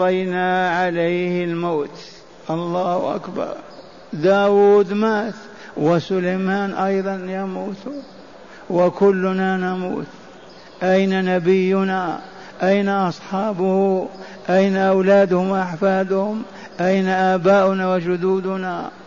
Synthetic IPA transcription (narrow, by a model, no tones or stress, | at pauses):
tˤɑjnaʕalajhɪlmoːt̪ | ʔɑlˤːɑːhʊ̰ʔa̰kbɑ̰ɾˤ | d̪aːwuːd̪maːt̪ | wɪsʊlajmaːnʔɑjðˤɑnjamuːt̪ | wɪkʊlːʊnanamṵːt̪ | ʔajnanabɪjːʊna | ʔajnaʔɑsˤħɑːbʊhuʔajnaʔawlaːd̪hʊmʔaħfaːd̪hʊm | ʔajnaʔaːbaːʔʊnawɪd͡ʒʊd̪uːd̪ʊna